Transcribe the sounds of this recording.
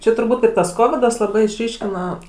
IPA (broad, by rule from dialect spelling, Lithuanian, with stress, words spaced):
ˈt͡ʃʲɛ tʊrˈbuːt ɪr tɐs ˈkoːʋʲɪdɐs lˠɐˈbɐɪ ɪʃʲˈrʲiːʃʲkʲɪnɐ